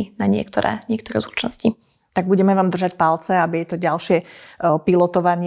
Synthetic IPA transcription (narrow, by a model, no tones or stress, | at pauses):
inaɲɪɛ̰kt̪ɔɾɛ̰ːɲɪɛk̚t̪ɔɾɛ̰zut͡ʃnɔsci | t̪aɡ̚buɟɛmɛʋaːmd̪r̩ʒacpalt͡sɛabijɛt̪ɔɟalʃɪɛpilɔt̪ɔʋaɲɪ